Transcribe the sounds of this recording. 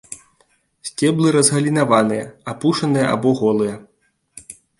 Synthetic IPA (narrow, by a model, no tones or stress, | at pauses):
sʲt͡sʲɛblˠɨɾɐzɣɐlʲinavanɨjɐapuʂɐnɨjɐʔa̰bɔɣɔlˠɨjɐ